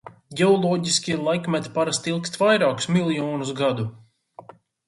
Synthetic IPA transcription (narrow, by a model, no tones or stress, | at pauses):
ɡʲeɔlˠɔːɟisʲkʲilˠajkmɛt̪paɾast̪ilˠkst̪vajɾaːku̥smilˠjɔːnus̬ɡad̪u